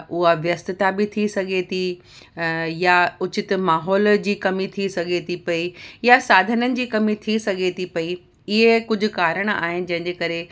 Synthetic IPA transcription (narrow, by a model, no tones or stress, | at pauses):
ʊɦaʋjɐst̪ɪt̪abɪt̪ʰisɐɡʱet̪ʰi | jaʊt͡ɕɪt̪maːɦɔːld͡ʑiːkɐmit̪ʰisɐɡʱet̪ʰipɐijasaːd̪ʱənənɪ̆d͡ʑiːkɐmit̪ʰisɐɡʱet̪ʰipɐi | ɪɦekʊd͡ʑʱʊ̆kaːɾəɽ̃a̰ːɦɪnɪ̆d͡ʑɐ̃ɦɪ̃ɲd͡ʑekɐɾe